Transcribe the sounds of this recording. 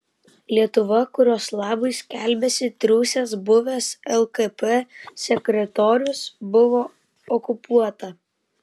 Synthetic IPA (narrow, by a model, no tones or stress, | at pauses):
lʲiɛt̪ʊʋɐkʊɾʲoːslˠɑːbɐɪsʲkʲɛˑlʲbʲɛsʲɪt̪ʲɾʲʊːsʲesbʊʋʲesɛlˠkɛpɛsʲɛkɾʲɛt̪ɔːɾʲʊsbʊʋoː | ɔkʊpuɔt̪ɐ